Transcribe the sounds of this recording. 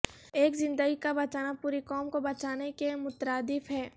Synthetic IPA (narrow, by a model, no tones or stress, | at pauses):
eːkzɪ̃nd̪əɡikabɐt͡ʃaːnapuːɾikɔːmkobɐt͡ʃaːnekemʊt̪ɾaːd̪ɪfɦɛː